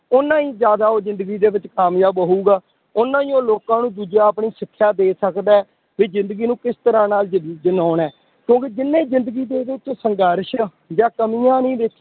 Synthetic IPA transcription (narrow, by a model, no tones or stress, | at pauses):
ʊnːãːĩːzjaːd̪aːoːzɪ̃nd̪əɡiːd̪eːʋɪt͡ʃkaːmjaːbəɦuːɡaː | ʊnãːĩːoːloːkãːnũːd̪uːd͡ʒaːəpɳiːsɪkʰːjaːd̪eːsəkd̪aː | ʋiːzɪ̃nd̪əɡiːnũːkɪst̪əɾãːnaːld͡ʒd͡ʒənaːnɛː | kjõːkeːd͡ʒɪnːẽːzɪ̃nd̪əɡiːd̪eːʋɪt͡ʃːsəŋɡəɾʃ | d͡ʒãːkəmijãːnĩːd̪eːkʰː